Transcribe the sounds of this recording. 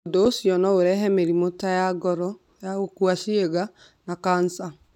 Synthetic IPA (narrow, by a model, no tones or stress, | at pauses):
odoosjɔnɔoɾɛɦɛmeɾimotajaɡɔɾɔ | jaokuasieɣa | nakansa